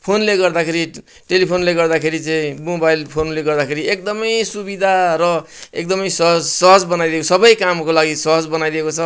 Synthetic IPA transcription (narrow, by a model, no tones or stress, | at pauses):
pʰonleɡʌrd̪akʰeɾi | ʈelipʰonleɡʌrd̪akʰeɾit͡saĩmobajlpʰonleɡʌrd̪akʰeɾiek̚d̪ʌmʌjsubid̪ʱaɾʌ | ek̚d̪ʌmʌjsʌɦʌsʌɦʌd͡zbʌnajd̪ijekosʌbʌjkamkolaɡisʌɦʌd͡zbʌnajd̪iekot͡sʰʌ